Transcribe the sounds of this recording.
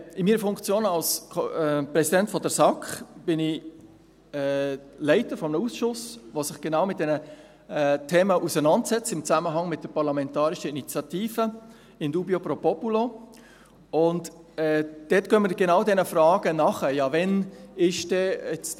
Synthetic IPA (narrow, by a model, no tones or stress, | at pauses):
ɪmiːɾəfʊŋkt͡sjoːnɑlsɛprɛsidɛntfɔdəɾsɑkχb̥ɪnɪ | ɛlɛɪtəɾfɔmənusʃʊsʋosɪχɡ̥enɑʊmɪt̚d̥ɛnə | ɛtʰeːməʔusənɑndsɛt͡stɪmt͡sæməɦɑŋmɪt̚d̥əɾpɑɾlɑmɛntɑːɾɪʃəinit͡sjɑtiːfə | ɪmduːbiopɾopɔpulo | ʊntɛd̥ɛtɡ̥œməɾɡ̥enɑʊdɛnəfɾɑːɡ̥ənɑχəjɑvɛnɪʃd̥ɛɛt͡s